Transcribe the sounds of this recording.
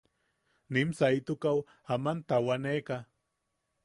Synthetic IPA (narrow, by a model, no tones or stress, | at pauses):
nɪmsajt̪ʊkaw | amant̪awaneka